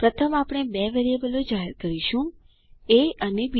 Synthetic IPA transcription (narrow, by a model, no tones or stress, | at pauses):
pɾət̪ʰəmapɽ̃ebeʋeɾiebəlod͡ʒaɦɛɾkəɾiʃũ | eənebi